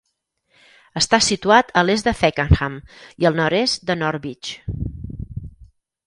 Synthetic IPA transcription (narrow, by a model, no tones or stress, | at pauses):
əst̪asit̪uat̪əlezd̪əfɛkənxamiəlˠnɔɾesd̪ənɔɾβit͡ʃ